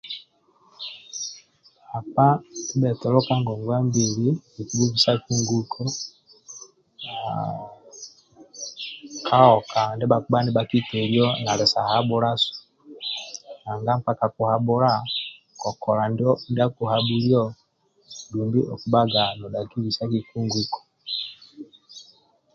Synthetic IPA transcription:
a˨pa˦i˦bɛ˨tɛ˨lɔ˦ka˦ŋɡɔ˨ŋɡwa˦mbi˨li˦i˨ku˨bu˦vi˨sa˦ku˦ŋɡu˨kʰɔ˦ | kʰa˦ɔ˨ka˨ndɛ˦ba˦ku˦ba˦nɛ˦ba˨ki˦tɛ˨ɾjɔ˦na˨lɛ˨sa˨ha˦bu˦ɾa˦su̥˨ | na˨ŋɡa˦m˦pa˦ka˨ku˨ha˨bu˦ɾa˦ | kɔ˨kɔ˨la˨ndɔ˦nda˦ku˨ha˨bu˦li˦ɔ˦ | du˨mbi˦ʔɔ˨ku˦ɓa˦ɡa˨nɔ˨da˨ki˦wi˨sa˦ki˨ku˦ŋɡu˨kɔ̥˨

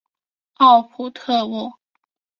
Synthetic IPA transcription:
ɑ˥˩ʊpʰu˨˩t̪ʰɤ˥˧wɔ˥˩

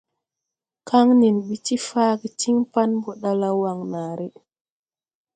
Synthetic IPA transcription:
ka˦ŋni˨nɓi˨ti˦faː˦ɡi˨ti˦ŋpa˦nbɔ˨ɗa˦la˦wa˨ŋnaː˨ɾi˦

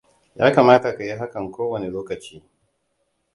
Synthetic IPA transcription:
ja̰ː˦kaː˨maː˦ta˨ka˨ji˦ɦa˦kɐ˨ŋkʷoː˦wɐ˨ne˨loː˦kɐ˨t͡ʃiː˦

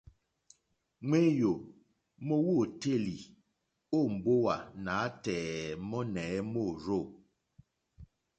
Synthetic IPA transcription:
ŋwe˦jo˨ | mɔ˦wo˦˨te˦˨li˨ | o˦˨m̩˨bo˦wa˨naː˨˦tɛː˨mɔ˦nɛː˨˦mo˦˨ɾo˦˨

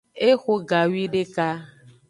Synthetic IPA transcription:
e˦xo˦ɡa˨wi˦ɖe˦ka˦

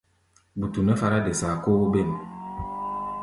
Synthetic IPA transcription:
bu˨tu˨nɛ˦fa˦ɾa˦de˨sa˨ko˦be˦˨n

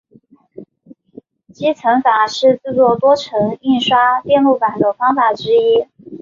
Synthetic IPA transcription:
t͡ɕi˥t͡sʰɤ˧˥ŋfa˨˩ʂɻ̩˥˧t͡sɹ̩˥˧t͡swɔ˥˩t̪wɔ˥ʈ͡ʂʰɤ˧˥ŋi˥˩nʂwa˥t̪jɛ˥˧nlu˥˩pa˨˩nd̪ə˦fɑ˥ŋfa˨˩ʈ͡ʂɻ̩˥i˥

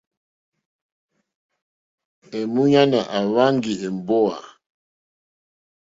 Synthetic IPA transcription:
ɛ˨mu˦ɲa˦na˨ʔa˨wa˦ŋɡi˨ɛ˨m˨bɔ˦a̰˨

